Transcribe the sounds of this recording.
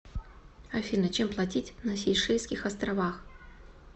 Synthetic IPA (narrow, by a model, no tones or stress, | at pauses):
ɐfʲinət͡ɕemplˠɐtʲitʲnɐsʲɪjʂɛjskʲɪxɐst̪ɾɐvax